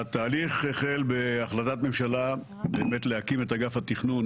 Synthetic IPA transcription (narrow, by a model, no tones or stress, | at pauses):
at̪aːliχeχelbeaχlat̪at̪me̞mʃala | be̞ːmet̪lehakime̞t̪aɡafhat̪iχnun